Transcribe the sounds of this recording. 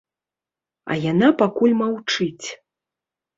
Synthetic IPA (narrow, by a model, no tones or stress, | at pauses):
ɐ̰janapakulʲmawt͡ʂɨt͡sʲ